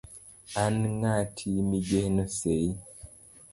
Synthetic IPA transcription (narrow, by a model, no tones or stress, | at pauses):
anŋatʰimid͡ʒenosei